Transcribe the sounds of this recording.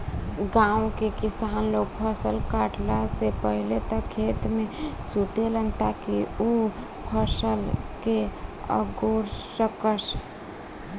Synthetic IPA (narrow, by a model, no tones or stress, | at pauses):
ɡãũkekisaːnloɡ̚pʰəsəlkaʈlasepəɦilet̪əkʰːet̪mẽsut̪elənt̪akiu | pʰəsəlkeə̰ɡoɾsəkəs